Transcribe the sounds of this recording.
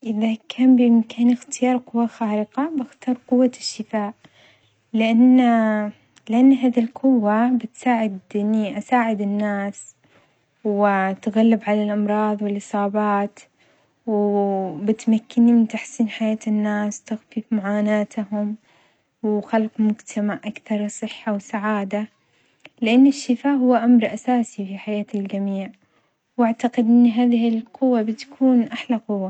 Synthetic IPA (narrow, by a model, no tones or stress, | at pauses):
ʔɪðakʰaːnbɪmkaːnɪxt̪ɪjɑːɾˤqʊwːaxaːɾɪqɑbɪxt̪ɑːɾˤqʊwːaʃːɪfaːʔ | lɪʔanː | lɪʔanːɦaːðilqʊwːabɪt̪saːʕɪd̪ʔɪnːiʔasaːʕɪd̪ɪnːaːs | wɪt̪ɣalːɪbʕalalʔɑmɾˤɑːðˤwɪlʔɨsˤɑːbɑːt̪ | wbɪt̪makːɪnimɪnt̪aħsiːnħajaːt̪ɪnːaːswt̪ɪxfiːfmaʕaːnaːt̪ɦʊm | wɪxalqmʊd͡ʒt̪ʰamaʔʔakθɑɾˤsˤɨħːawsaʕaːd̪a | lɪʔanːɪʃːɪfaːʔhʊwːaʔamɾˤʔasaːsifiħajaːt̪ald͡ʒamiːʕ | waʕt̪aqɪd̪ʔɪnːɦaːðɪhɪlqʊwːabɪt̪kʰuːnʔaħlaqʊwːa